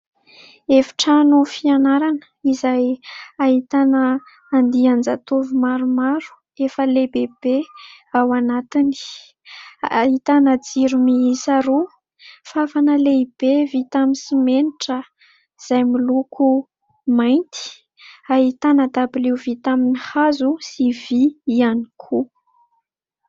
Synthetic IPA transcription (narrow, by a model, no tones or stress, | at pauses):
efi̥ʈ͡ʂanofianaɾanə̥izajahit̪anəː | nd̪iand͡zat̪ovumaɾumaɾu̥ | efəlebeb̥e | awanat̪ini̥ | aɦit̪anəd͡ziɾumisaɾu | fafanəleib̥evit̪amisimeniʈ͡ʂə | z̥ajmilukʰu | majnt̪i̥ | aɦit̪anəd̪abiliwvit̪aminihazusiviianikʰu